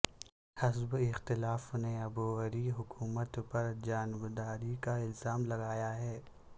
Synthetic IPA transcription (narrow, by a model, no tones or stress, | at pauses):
hɐzbɪxt̪ɪlaːfneɐbuɣɐɾiɦʊkuːmət̪pɐɾd͡ʒaːnɪbd̪aːɾikaɪlzaːmlɐɡaːjaɦɛː